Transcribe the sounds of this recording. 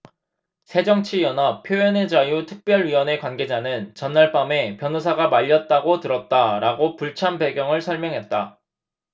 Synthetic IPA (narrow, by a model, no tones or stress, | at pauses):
sʰe̞d͡ʑʌŋt͡ɕʰijʌnap̚ʰjoʌned͡ʑajutʰɯk̚p͈jʌɭɥiwʌne̞kwanɡe̞d͡ʑanɯnt͡ɕʌnːaɭp͈ame̞pjʌnusʰaɡamaʎːʌt̚t͈aɡotɯɾʌt̚t͈aɾaɡopuɭt͡ɕʰampe̞ɡjʌŋɯɭsʰʌɭmjʌŋɦe̞t̚t͈a